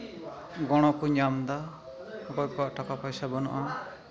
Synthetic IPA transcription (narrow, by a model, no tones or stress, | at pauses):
ɡɔɽ̃ɔkuɲamd̪a | ɔkɔjkaʔʈakapajsabɔnɔ̰ʔa